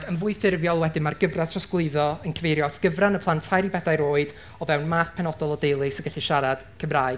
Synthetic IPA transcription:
ɡənvʊɨθɪrvjɔlˠwɛdɪmarɡəvrḁtʰrɔsɡlˠɨɨðɔənkʰəvejɾjɔtʰɡ̥əvranəpʰlˠantʰajɾibɛdajɾoːɨd̥ | ɔvɛwnmaːθpʰɛnɔdɔlˠɔdejlˠɨsəɡəɬɨʃaɾad̥kʰəmraːɨd

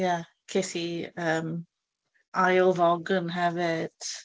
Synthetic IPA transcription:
ja | kʰetiəːm | ajlˠvɔɡənɦɛvɪd̥

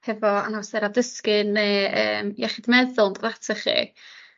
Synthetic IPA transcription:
hɛvɔa̰nawsɛɾadəskɪnːeə̰ːmjaχidmɛðʊlˠndɔɾatʰɛχḭː

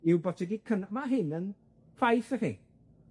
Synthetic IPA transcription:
ɪwbɔtʰɛɡikʰənamaɦɪnən | fajθərḭ

